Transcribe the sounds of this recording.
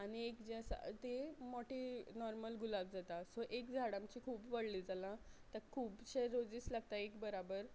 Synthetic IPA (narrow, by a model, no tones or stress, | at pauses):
aɽ̃iekd͡ʑesa̰t̪emɔʈinɔɾməlɡulab̚d͡zat̪asoʔekd͡zʱaɽãmt͡ɕikʰuːbʋəɽliːd͡zʱalãt̪əɾkʰuːbɕeɾod͡ziːslaɡ̚t̪aekbəɾabəɾ